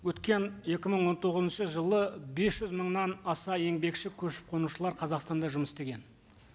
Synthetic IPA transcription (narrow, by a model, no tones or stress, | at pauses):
wɵt̪kʲe̞nje̞kʲɪməɴwo̞nt̪ʰo̞ʁəzənʃəʒəlˠəbe̞sʒʏzməɴnɑnɑsɑje̞ŋbe̞kʃɪkʲʰɵʃɪ̥p̚qʰo̞nuʃəlˠɑɾqʰɑzɑqst̪ɑnd̪ɑʒʊməsst̪eɡʲe̞n